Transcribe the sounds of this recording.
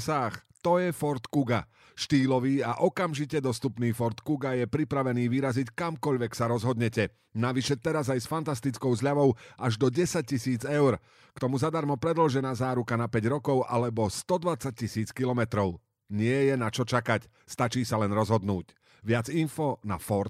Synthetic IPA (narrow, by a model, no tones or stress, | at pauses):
saːxt̪ɔjɛfɔɾt̪kuɡa | ʃt̪iːlɔʋiːaʔɔkamʒicɛd̪ɔst̪upniːfɔɾt̪kuɡajɛpɾipɾaʋɛniːʋiɾazickamkɔʎʋɛksaɾɔzɦɔd̪ɲɛcɛ | naʋiʃɛt̪ɛɾazajsfant̪ast̪it͡skɔʊzʎaʋɔʊʔaʒd̪ɔɟɛsac̚cisiːd͡zɛʊɾ | kt̪ɔmuzad̪aɾmɔpɾɛd̪l̩ʒɛnaːzaːɾukanapɛɟɾɔkɔʊʔa̰lɛbɔst̪ɔd̪ʋat͡sac̚cisiːt͡skilɔmɛt̪ɾɔʊ | ɲɪɛjɛnat͡ʃɔt͡ʃakac | st̪at͡ʃiːsalɛnɾɔzɦɔd̪nuːc | ʋɪad͡zinfɔna̰fɔɾt̪